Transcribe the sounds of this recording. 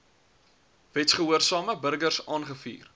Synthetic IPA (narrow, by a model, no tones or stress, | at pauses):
vɛtsχəɦuərsɑːməbərɡərsɑːnχəfḭːr